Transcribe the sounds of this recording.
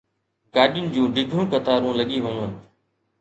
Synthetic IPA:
ɡaːɗɪjʊnɪd͡ʑũːɖɪɡʱɾũːkət̪aːɾũːləɠiːʋənuən

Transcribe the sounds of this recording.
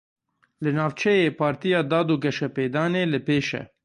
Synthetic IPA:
lɨnɑːvt͡ʃʰɛjeːpʰɑːɾt̪ijɑːd̪ɑːd̪uɡɛʃɛpeːd̪ɑːneːlɨpeːʃɛ̰

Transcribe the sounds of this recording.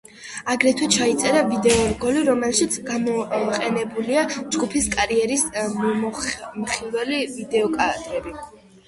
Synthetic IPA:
aɡɾɛt̪ʰwɛt͡ʃʰait̪sʼɛɾavid̪ɛɔɡɔliɾɔmɛlʃit̪sʰɡamɔqʼɛnɛbuliad͡ʒɡupʰiskʼaɾiɛɾism | mχilwɛlivid̪ɛɔkʼad̪̥ɾɛbi

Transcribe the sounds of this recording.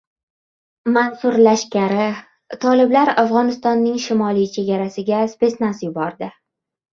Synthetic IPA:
mansʊɾlaʃkʲaɾɪ | t̪ʰɒlɪblaɾafʁɒnɪst̪ɒnːɪŋʃɪmɒlˠijt͡ʃʰe̞ɡʲaɾasɪɡʲaspe̞snasjʊbɒɾd̪ɪ

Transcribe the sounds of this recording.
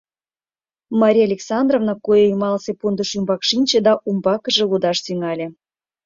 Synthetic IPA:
mɑɾʲijalʲeksɑnd̪rovnɑkojeimɑlsepund̪əʃymbɑkʃinʲt͡ɕed̪ɑʔumbɑkə̆ʒĕlud̪ɑʃt̪yŋɑlʲĕ

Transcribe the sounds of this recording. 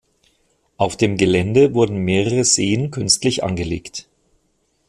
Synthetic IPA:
ʔaʊfd̥eːmɡəlɛndəvʊɐdn̩meːʁəʁəz̥eːənkʰʏnstlɪçʔa̰nɡəleːkt

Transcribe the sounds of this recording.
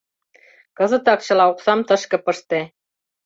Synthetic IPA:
kɤ̆zɤ̆t̪ɑkt͡ɕɤ̆lˠɑuqsɑmt̪ɤ̆ʃkɤ̆pɤ̆ʃt̪e

